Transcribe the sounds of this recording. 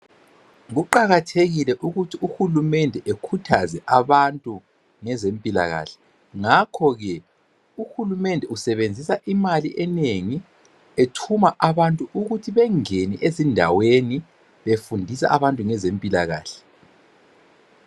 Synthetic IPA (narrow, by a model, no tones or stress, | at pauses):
ɣuǃaɣatʰeɣilɛʔuɣutʰiuxulumɛndʱɛʔekʰutʰazɛʔaβantʼu | ŋɛzempʼila̰ɣa̰ːɬɛ̥ | ŋakʰɔɣɛ | uxulumɛndʱɛusɛβend͡zʱisaʔimaliʔɛneŋi | etʰumaʔaβantʼuʔuɣutʰiβɛŋeniʔezindʱa̰weni | βefundʱisa̰ʔaβantʼuŋɛzempʼila̰ɣa̰ːɬɛ̥